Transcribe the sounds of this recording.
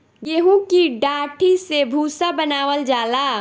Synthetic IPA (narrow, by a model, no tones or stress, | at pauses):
jeɦũkiɖaːʈʰisebʱuːsabənaːʋəld͡ʒaːlaː